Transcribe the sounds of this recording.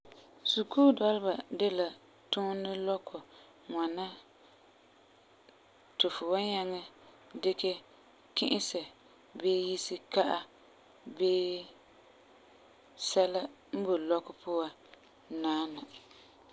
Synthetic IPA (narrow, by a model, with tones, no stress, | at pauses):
su˨kuː˦dɔ˦lɪ˦ba˨dɪ˦la˨ | tʊ˦nɪ˦lɔ˦kʰʊ˨ | ŋʷa˨na˦ | tʊ˨fʊ˨wa˦ɲa˦ŋa˦ | dɪ˦kɛ˦ | kɪ̰˦ʔɪ˦sɛ˨ | beː˦ji˦si˦ka˦ʔa˦ | beː˦ | sɛ˦la˦ | m̩˦bo˨lɔ˦kʊ˨pʰʊ˦a˨ | naː˦na˨